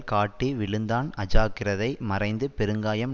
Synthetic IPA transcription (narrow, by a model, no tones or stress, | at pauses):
kaːʈːiːʋɪɭɯnd̪aːnɐd͡ʒaːkɪrɐðɐɪmɐrɐɪnd̪ɯpɛɾɯŋɡaːjɐm